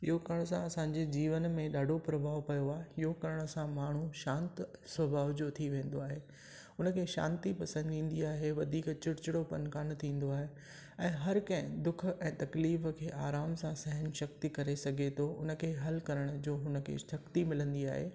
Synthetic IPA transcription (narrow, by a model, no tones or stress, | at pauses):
ɪ̰ɦokɐɾəɽ̃sãɐsãːɲd͡ʑed͡ʑiːʋənmẽɗaːɖʱopɾɐbʱaːʋpɐjoaːɦeɪɦokɐɾəɽ̃ʊ̆sãmaːɳ̤uʃãːnt̪sʋɐbʱaːʋd͡ʑot̪ʰiʋẽːn̆d̪oaːɦeː | ʊnə̆kʰeːʃã̰ːnt̪ipɐsə̃nd̪ĩːn̆d̪iaːɦeʋɐd̪ʱiːkt͡ɕɪɽt͡ɕɪɽopɐ̰nkaːnt̪ʰĩːn̆d̪oaːɦe | ɛ̃ːɦɐɾkɐ̃ɦɪ̃d̪ʊkʰɛ̃ːt̪ɐkliːfkʰeːʔaːɾaːmsãsɐɦənʃɐk̚t̪ikɐɾesɐɡʱet̪ʰoʊ̰nə̆kʰeːɦɐlkɐɾəɽ̃ʊd͡ʑoːɦʊnə̆kʰḛʃɐkt̪imɪlə̃nd̪ia̰ːɦḛː